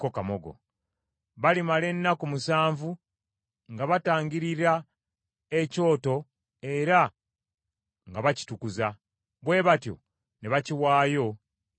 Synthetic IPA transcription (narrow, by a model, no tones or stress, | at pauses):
kokamoɡo̞̰ | βalimale̞nːakumusaːɱvu | ŋɡaβataːŋɡiɾiɾa | e̞co̞ːto̞ | e̞ɾa | ŋɡaβaci̥tukuza | βwe̞ːβatjo̞̰ | neβaciwaːjo̞